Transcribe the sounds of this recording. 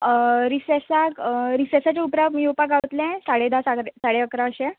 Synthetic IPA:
ɾisesakɾisɛsat͡ɕeupɾamiopaɡat̪lɛ̃saɽed̪asaɾesaɽeəkɾaəɕɛ̃

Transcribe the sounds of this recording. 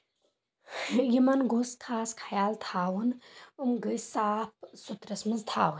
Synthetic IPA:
jimɐnɡoskʰaːskʰɐjaːlt̪ʰaːwunumɡəsaːp̚sut̪ɾɐsmɨzt̪ʰaːwun

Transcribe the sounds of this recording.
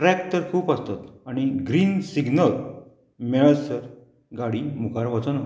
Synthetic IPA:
ɾɛk̚ʈəɾkʰuːpəst̪at̪aɽ̃iɡɾiːnsiɡnəl | mɛɭəsəɾ | ɡaɽiːmukʰaɾʋat͡sənə

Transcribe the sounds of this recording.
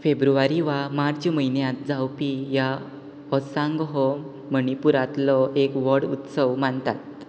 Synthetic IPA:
febɾuʋaɾiʋamaɾd͡ʑməinjãt̪̚d͡zawpija | ɔsãŋɡɦɔ | məɳipuɾat̪lɔekʋəɾɽut̪səʋmaɳt̪at̪̚

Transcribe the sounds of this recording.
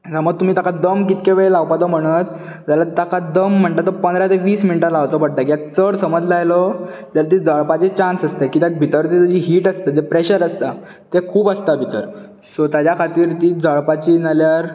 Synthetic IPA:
t̪aməɡ̚t̪um̤iːt̪akʰad̪əmkit̪keʋeɭelaʋpat̪om̤əɽ̃ət̪ | d͡ʑ̪jalat̪akʰad̪əm̤ːəɳʈ̪at̪opənd̪ɾat̪eʋiːsminiʈalaʋt̪opəɽ̚ʈ̪akiak̚t͡səɽsəməd͡zlajlɔt̪jalat̪̬iːd͡zəɭpat͡ɕet͡ɕãnsəst̪ekiːt̪jak̚bʱit̪əɾt̪it̪ud͡ʑiɦiːʈəst̪at̪epɾeɕəɾəst̪a | t̪ekʰuːbəst̪abʱit̪əɾ | sot̪jad͡ʑjakʰat̪iːɾt̪iːd͡zəɭpat͡ɕinaljaɾ

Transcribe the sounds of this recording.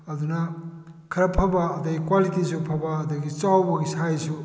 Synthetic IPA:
ɐd̪unɐ | kʰɐɾɐpʰɐbaːd̪ɐɡikwalitisupʰɐbaːd̪uɡit͡ʃawbɐɡisʰajsu

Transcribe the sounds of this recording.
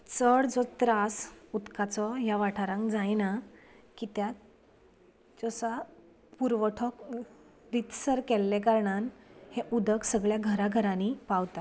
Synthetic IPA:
t͡səɽd͡zɔt̪ɾasut̪kat͡sɔjaʋaʈʰaɾãŋkd͡zajnakit̪ja | d͡zɔsa | puɾʋəʈʰɔk | ʋit̪səɾkɛlːɛkaɾɳanheʔud̪əksəɡɭjaɡʱəɾaɡʱəɾanipaʋt̪a

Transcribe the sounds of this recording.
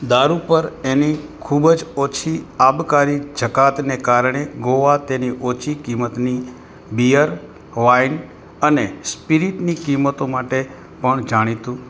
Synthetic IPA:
d̪aɾupəɾenikʰubd͡ʒot͡ʃʰiabkaɾid͡ʒʱəkat̪nekaɾɳ̃eɡoʋat̪eniʔot͡ʃʰikimət̪ni | bijəɾ | ʋain | ənespiɾiʈnikimət̪omaʈe | pəɳd͡ʒaɽ̃it̪ũ

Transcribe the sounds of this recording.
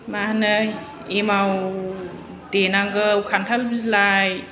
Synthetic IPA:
mahanɯj | emaw | denaŋɡəwkʰantʰalbizlaj

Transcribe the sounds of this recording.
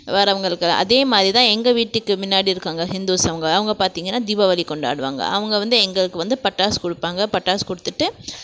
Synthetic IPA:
ʋɐɾɐʋɐŋɡɐɭɯkːɯʔɐ̰ðeːmaːðɾit̪ãːɛŋɡɐʋiːʈːɯkːɯmɪnːaːɽiɪɾɯkːaːŋɡɐɦɪnd̪uːsɐʋɐŋɡɐɐʋɐŋɡɐpaːɾt̪iːŋɡɐnːaːd̪ɪʋɐʋɐlikɔɳɖaːɽɯʋa̰ːŋɡɐ̰ʔɐ̰ʋɐŋɡɐʋɐnd̪ɯɛŋɡɐɭɯkːɯʋɐnd̪ɯpɐʈːaːskɔɽɯpːaːŋɡɐpɐʈːaːskʊɽɯt̪ːɯʈːɯ

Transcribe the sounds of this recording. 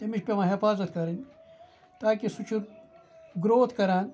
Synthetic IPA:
t̪emiʃpemãːɦifaːzɐt̪kɐɾin | t̪aːkisut͡ʃʰuɾ | ɡɾoːt̪kɐɾaːn

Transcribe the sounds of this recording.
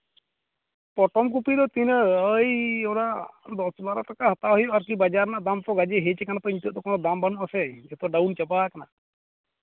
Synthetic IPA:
pɔʈɔmk̬upid̪ɔt̪inəəjɔɽaʔd̪ɔsbaɾaʈakahat̪aɦɔjɔʔaɾkibad͡ʒaɾnaʔd̪amt̪ɔɡad͡ʒɛɦɛt͡ʃɛkanat̪ɔiɲt̪əʔ̚d̪ɔkɔnɔd̪ambanuʔasɛd͡ʒɛt̪ɔɖawnt͡ʃabakana̰

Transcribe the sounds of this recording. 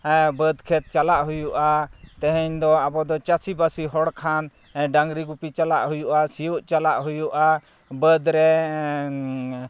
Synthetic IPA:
bəd̪kʰɛt̪̚t͡ʃalaʔɦujuʔat̪ɛɦɛɲd̪ɔabɔd̪ɔt͡ʃasibasiɦɔɽkʰan | ɖaŋɡɾiɡupit͡ʃalaʔɦujuʔasijuʔt͡ʃalaʔɦujuʔa | bəd̪ɾɛ

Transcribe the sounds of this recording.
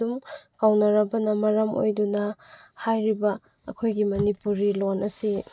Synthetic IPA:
umkawnɐɾɐbɐnɐmɐɾɐmo̰jdunɐhajɾibɐː | kʰojɡimɐnipuɾilonɐsi

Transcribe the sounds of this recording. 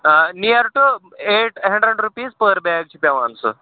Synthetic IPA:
nijaɾʈu | eʈɦə̃ɳɖɾəɖɾupiːspəɾbɛɡ̚t͡ɕʰipʲaʋãnsə̰

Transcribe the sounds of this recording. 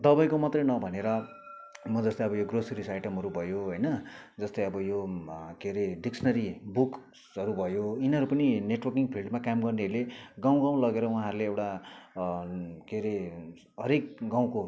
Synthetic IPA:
d̪ʌbajkomʌt̪rʌjnʌbʱʌneɾʌ | mʌd͡zʌst̪ʌjʌbʌjoɡrosiɾisajʈʌmɦʌɾubʱʌjoɦʌjnʌd͡zʌst̪ʌjʌbʌjokeɾeɖiksʰnʌɾibuk | ʌɾubʱʌjoinɦʌɾupʌnineʈwʌrkiŋpʰilɖmakamɡʌrneʌɾuleɡaw̃ɡãw̃lʌɡeɾʌwũɦãɦɾuleewʈa | keɾe | ɦʌɾek̚ɡãw̃ko

